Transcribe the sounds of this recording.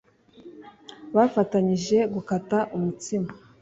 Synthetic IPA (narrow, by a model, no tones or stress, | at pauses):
βafataɲiʒe̞ɡukataʔumutima